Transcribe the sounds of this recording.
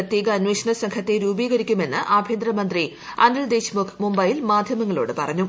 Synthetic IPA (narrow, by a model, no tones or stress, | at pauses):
ɐt̪jeːɣɐːnweːʂɐɳɐsɐŋkʰɐt̪ːe̞ɾuːbiːɣɐɾikʲːume̞nːɨʔaːbʱjeːnd̪ɾɐmɐnd̪ri | ɐ̰nɐɭd̪eːɕmumbɐjilmaːd̪ʱjɐmɐŋːɐɭo̰ːɽɨpɐrɐɲːu